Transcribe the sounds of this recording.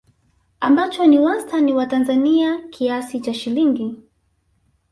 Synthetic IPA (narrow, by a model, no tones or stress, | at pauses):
ambat͡ʃɔniwastʰaniwatanzaniakʰiasit͡ʃaʃiliŋɡi